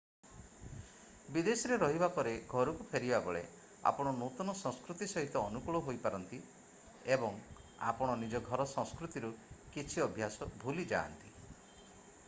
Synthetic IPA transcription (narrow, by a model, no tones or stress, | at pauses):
bid̪esiɾeɾɔɦibapɔɾeɡʱɔɾukupʰeɾibabɔɭḛ | a̰pɔɽ̃ɔnut̪ɔnɔsɔ̃ŋskɾut̪isɔɦit̪ɔːnukuɭɔɦojpaɾɔnt̪i | ebɔŋ | a̰pɔɽ̃ɔnid͡ʒɔɡʱɔɾɔsɔ̃skɾut̪iɾukit͡ʃʰiɔbʱjasɔbʱulid͡ʒa̰ːnt̪i